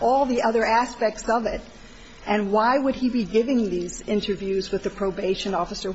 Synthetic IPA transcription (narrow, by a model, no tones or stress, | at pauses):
ɔlˠðiʔʌðə˞æspɛk̚tsʌvɪɾ | ʔɨ̃nwaɪwəd̚ibiɡɪvɪ̃ŋðizɪ̃ntə˞vjʉzwɨðɨpʰɹ̥oʊbeɪʃɨ̃nɔfəsə˞